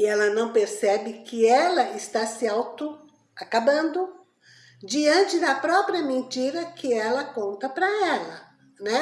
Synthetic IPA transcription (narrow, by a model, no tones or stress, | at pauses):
ɪɛlɐnɐ̃w̃peɾsɛbɪkɪɛlɐɪst̪asɪawt̪ʊ | akabɐ̃nd̪ʊ | d͡ʒiɐ̃nt͡ʃɪd̪ɐpɾɔpɾiɐmẽnt͡ʃiɾɐkɪɛlɐkõnt̪ɐpɾɐɛlɐ | nɛ